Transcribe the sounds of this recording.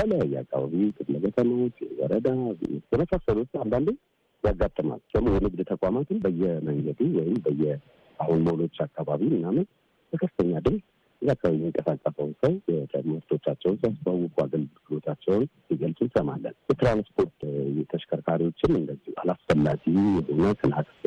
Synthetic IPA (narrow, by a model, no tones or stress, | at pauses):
bələjɛa̰kʰʼːa̰βaβit̪ʰɨfləkət̪ʰəməwt͡ʃːjɛ̰wɔ̰ɾəd̪ajɛməsasəlut̪ːand̪and̪ɨ | jaɡːat̪ʼːəma̰ld̪əmːojɛnɨɡd̪t̪ʰəkʼamat̪ʰɨnbəjːɛməŋɡəd̪uwɔjɪmbəjːɛ | ahunməhono̞t͡ʃːakʰːaβaβimɨnamət | bəkʰəfɨt̪ʰəɲːad̪ɨlɡ | ɨzːakʰːaaβjɛmːiŋkʼəsakʼːəsəwnsawɛt̪ʰə̰mɨɾt̪ʰo̞t͡ʃːat͡ʃːɛwnsijasfawːɨkʰʼua̰ɡəlɡɨlo̞t̪ʰat͡ʃːɛwnsiɡəlsʼunsəma̰lːə̰njɛt̪ɾanspʰo̞ɾt̪jɛt̪ʰəʃkʰəɾkʰaɾiwo̞t͡ʃːɪnɨnd̪əzːihua̰lasfəlːad͡ʒijɛʔɨnət̪ʰɨnak̪ʼ